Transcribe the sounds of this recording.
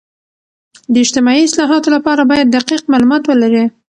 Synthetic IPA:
d̪əɪd͡ʒt̪ɪmɑiɪslɑɦɑt̪olapɑɾabɑjad̪̚ːaqiqmalumɑt̪wəlaɾi

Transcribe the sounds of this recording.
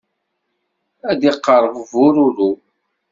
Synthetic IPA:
æd̪iqːəɾˤəvvʊɾʊɾu

